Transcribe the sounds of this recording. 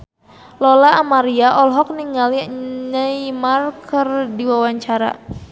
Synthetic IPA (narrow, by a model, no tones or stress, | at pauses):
lɔlaːmaɾiaʔɔlɦɔk̚niŋaliɲajmarkərdiwawaɲt͡ʃaɾa̰